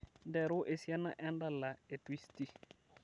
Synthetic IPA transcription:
ndɛ˨ɾu˦ʔe˨sja˦na̰˦ʔɛ˦nda˦˨lːa˨e˨twi˦sti˦

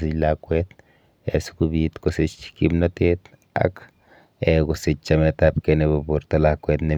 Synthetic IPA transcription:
si˦la˧kʷe˦t̪ | e˨su̥ku˧bi˧t̪ko˨se˧t͡ʃt͡ʃi̥˦ki˦bna˦t̪e˦t̪ | a̰˦k | e˧ɡo˨se˧t͡ʃt͡ʃa˧me˧t̪a˧p̚ke˧ne˧ba˧po˧ɾt̪a˧la˧kʷe˧t̪ne˨

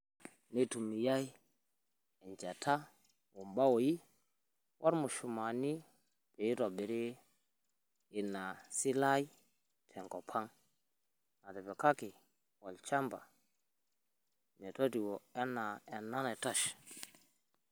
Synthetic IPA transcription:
ni˦tu˨mi˨ja˦j | ɛ˨nd͡ʒa˨tʰa˦ | wo˨mba˦wo˨ji˦ | wʔa˦ɾmu˨ʃu˨ma˨ni˦ | be˨i˦ɾo˨be˨ɾe˦ | i˨nːa˨si˦la˦ji˦ | tʰɛ˨ŋko˨pʰa˦ŋ | a˨tɛ˨bɛ˨ka˦ki˨ | wo˨lt͡ʃa˦mba̰˨ | me˨to˦ti˨wo˨e˦na˨e˨nːa˦ne˨ta˦ʃ

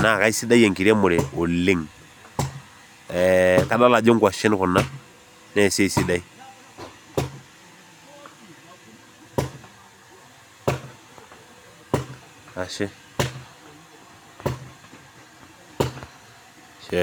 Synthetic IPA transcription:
na˨ka˦i˦si˦da˦i˦ɛ˨ŋki˨ɾɛ˦mʊ˨ɾɛ˨o˨lɪ˦ŋ | ɛka˨˦ɗa˦la˨d͡ʒɔ˦ŋ˦ɡwa˨ʃɛ˦n˦ku˨na˦ | nɛ˦˨sɛ˦i˨si˦da˦i˦ | a˨ʃɛ˦ | ʃɛ

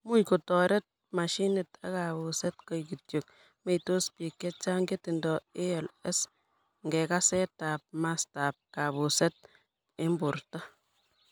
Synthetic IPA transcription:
mu˦jko˨tɔ˨ɾɛ˦t̚ | ma˨ʃi˦nɪ˨tʰa̰˦ka˨bu˨sɛ˦tkɔ˨jki˨tjo˨k | me˦ito˦spi˨kːɛ˦t͡ʃa˦ŋɡe˦tɪ˨ndɔ˨ɪ˦ɛ˨lɛ˦s | ŋɡɛ˨ka˦sɛ˦ta˨p̚ma˦sta˨p̚ka˨βu˨sɛ˦t̚ | ɪ˦mbʊ˨ɾta˦

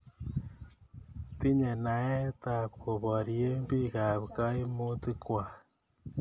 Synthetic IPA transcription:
ti˦ɲɛ˨na˨˦ɛ˦ta˧˨p̚kʰo˨pɔ˨ɾje˦mpi˦ka˨pka˦jmu˦tɨ˧kwa˨

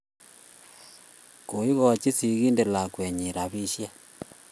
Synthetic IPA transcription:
ko˨i˦ɣo˦˨t͡ʃi˦si˨ɣi˦nde˨la˨kwe˨ɲi˨ɾa˨βi˦ʃja˦

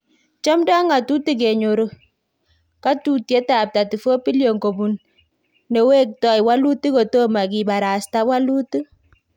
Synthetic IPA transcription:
t͡ʃɔ˦mda˦ŋa˨tu˦ti˦˨k̬e˨ɲo˨ɾo˨ | ka˦tu˨te˦ta˨p̚ta˨ti˨fo˦pi˦ljo˨ŋko˨bu˨n | ne˨we˦k̚tɔ˦jwa˦lu˦ti˦ko˨to˦ma˨ki˨ɓa˨ɾa˨sta˦wa˦lu˦ti˦

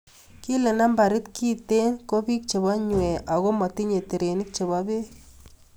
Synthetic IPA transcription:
ki˦le˨na˦mba˨ɾɪ˦tki˦te˦nko˦bi˦k̚t͡ʃe˨βa˦ɲwɛ˨ʔa˨ɣo˦ma˨ti˦ɲe˨te˨ɾe˨nɪ˦k̚t͡ʃe˨βa˦be˦

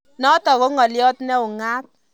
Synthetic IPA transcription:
nɔ˦tɔ˨ɣo˦ŋɔ˨ljɔ˦tnɛ˦ʊ˨ŋa˦t̚

